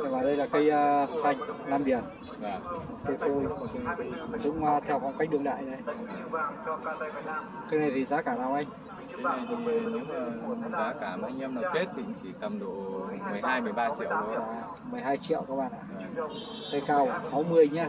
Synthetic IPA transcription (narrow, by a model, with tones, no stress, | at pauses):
ə˧˩vaː˨˩ɗə˧jlaː˨˩kə˧jəː˧sa˨˩jŋ̟laː˧mɓi˧˩ən | aː˨˩ | t̪i˨˦k̚t̪ʰo˧jt̪ʰi˨˩˨ɗʊ̰˧˥ŋ͡mt̪ʰɛ˧wkɔ˧nka˦jk̟ɗɨ˨˩əla̰ː˧˨jɗə˧j | kaː˨˧˦na˨˩jt̪ʰi˨˩zaː˨˦kaː˧˩ɗaː˧˩wʔa˧jŋ̟˧˦ | a˨˩jt̪ʰi˧˨˩ɲɨ̰˧˥ŋː˨˧˩zaː˨˦kaː˧˩ɓa̰˧ŋə˧mləː˨˩ke˦˥t̚t͡ɕʰḭ˧˥ŋt͡ɕi˧˩t̪ə˨˧˩mɗo˧˩mɨ˨˩əjhaː˧jmɨ˧˩əjɓaː˧t͡ɕḭ˧ə˨wː | mɨ˨˩əjɦaː˧jt͡ɕḭ˧˨əwkaː˦˥ɓa̰ː˧˨nʔa̰ː˧˨ | kə˧jkaː˧˩wsa˨˦wmɨ˧əjɲaː˧